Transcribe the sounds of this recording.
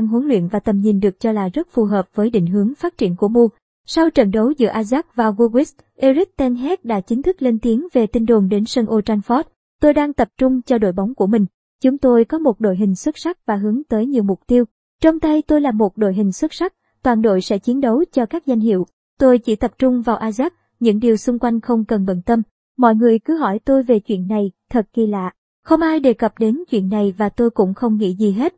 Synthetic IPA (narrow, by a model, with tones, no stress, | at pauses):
a˧ŋɦu˨˦nlwḭ˧˨ənvaː˨˩t̪ə˨˩mɲi˨˩nɗɨ˨˩ək̚t͡ɕɔ˧laː˨˩zə˦˥t̚fu˨˩ɦəː˨˩p̚vəː˨˦jɗḭ˧˨ŋ̟ɦɨ˨˦əŋfaː˦˥t̚t͡ɕi˧˩ənku˧˩əmu˧ə | sa˧wt͡ɕə̰˧˨nɗə˨˦wzɨ̰˧˩əʔaː˧zaː˦˥k̚vaː˨˩ɣu˧ɣi˦˥s | ʔe˧zi˦˥k̚t̪ɛ˧nɦɛ˦˥t̚ɗa̰ː˧˥t͡ɕï˨˦ŋ̟t̪ʰɨ˦˥k̚le˧nt̪i˨˦əŋve˨˩t̪ï˧ŋ̟ɗo˨˩nɗe˨˦nsə˧nʔo˧t͡ɕa˧nfɔ˦˥t̚ | t̪o˧jɗaː˧ŋt̪ə˨˩p̚t͡ɕʊ˧ŋ͡mt͡ɕɔ˧ɗo̰˧˨jɓa˨˦wŋ͡mku˧˩əmï˨˩ŋ̟ | t͡ɕʊ˨˦ŋ͡mt̪o˧jkɔ˨˦mo˨˩t̚ɗo̰˧˨jɦï˨˩ŋ̟swə˦˥t̚sa˦˥k̚vaː˨˩ɦɨ˨˦əŋt̪əː˨˦jɲi˨˩əwmʊ˨˩k͡p̚t̪i˧əw | t͡ɕə˧wŋ͡mt̪ə˧jt̪o˧jlaː˨˩mo˨˩t̚ɗo̰˧˨jɦï˨˩ŋ̟swə˦˥t̚sa˦˥k̚ | t̪waː˨˩nɗo̰˧˨jsɛ̰˧˥t͡ɕi˨˦ənɗə˨˦wt͡ɕɔ˧kaː˦˥k̚za˧jŋ̟ɦḭ˧˨əw | t̪o˧jt͡ɕḭ˧˩t̪ə˨˩p̚t͡ɕʊ˧ŋ͡mvaː˨˩wʔaː˧zaː˦˥p̚ | ɲɨ̰˧˥ŋɗi˨˩əwsʊ˧ŋ͡mkwa˧jŋ̟xə˧wŋ͡mkə˨˩nɓə̰˧˩nt̪ə˧m | mɔ̰˧˨jŋɨ˨˩əjkɨ˨˦ɦɔ˧˩jt̪o˧jve˨˩t͡ɕwḭ˧˨ənːa˨˩jt̪ʰə˨˩t̚ki˧la̰ː˧˨ | xə˧wŋ͡mʔaː˧jɗe˨˩kə˨˩p̚ɗe˨˦nt͡ɕwḭ˧˨ənːa˨˩jvaː˨˩t̪o˧jkʊ̰˧˥ŋ͡mxə˧wŋ͡mŋḭ˧˥zi˨˩ɦe˦˥t̚